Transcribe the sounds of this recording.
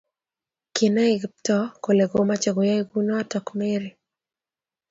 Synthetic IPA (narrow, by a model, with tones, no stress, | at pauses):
kɪ˨na˦i˦ɡptɔ˦ko˨le˨ɡo˦ma˦t͡ʃa˨ɡo˨ja˦iɡu˦nɔ˦a˦tɔ˨kme˦ɾi˨